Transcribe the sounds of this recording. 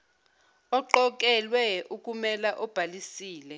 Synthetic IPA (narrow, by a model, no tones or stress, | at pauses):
ɔǃɔk̬ʼɛlwɛuk̬ʼumɛlaʔɔb̥ʱalisiːlɛ